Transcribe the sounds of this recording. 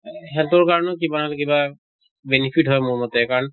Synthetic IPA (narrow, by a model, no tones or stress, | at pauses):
ɦɛtʊɹkaɹɔnɔkibanalɛkiba | benipʰitɦɔjmʊɹmɔtɛkaɹɔn